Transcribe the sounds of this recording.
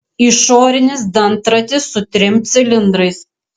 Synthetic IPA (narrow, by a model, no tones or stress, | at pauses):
ɪʃoːɾʲɪnʲɪsd̪ɐnt̪ɾɐt̪ʲɪsːʊt̪ʲɾʲɪmʲt̪sʲɪlʲɪnd̪ɾɐɪs